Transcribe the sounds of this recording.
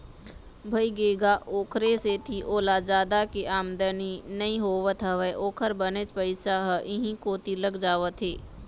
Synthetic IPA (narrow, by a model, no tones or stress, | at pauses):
bʱɐiɡeːɡaʔoːkʰɾeset̪ʰiʔoːlad͡ʒaːd̪akeʔaːmd̪əninɐĩɦoːʋət̪ʰaʋəjʔoːkʰəɾbənet͡ʃpəɪsaɦəʔɪɦĩkoːt̪iləɡd͡ʒaːʋət̪ʰɦeː